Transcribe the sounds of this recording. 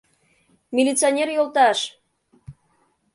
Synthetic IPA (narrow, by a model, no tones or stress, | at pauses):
mʲilʲit͡sɨonʲerjolˠt̪ɑʃ